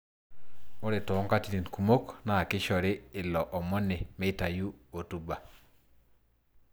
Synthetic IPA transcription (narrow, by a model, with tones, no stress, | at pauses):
ɔ˦ɾe˨tɔ˨ɔ˦ŋka˦ti˨ni˨nku˨mo˦kna˦˨kɪ˦ʃɔ˨ɾɪ˦ɪ˨lɔ˨ʔɔ˨mɔ˦nɛ˨mɛ˦˨ta˨ju˦o˨tu˦ba˨